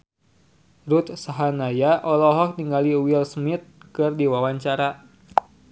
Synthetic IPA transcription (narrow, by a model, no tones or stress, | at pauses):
ɾut̪̚saɦanajaʔɔlɔɦɔk̚niŋɡaliwilsmɪt̪̚kɨrdiwawaɲt͡ʃaɾa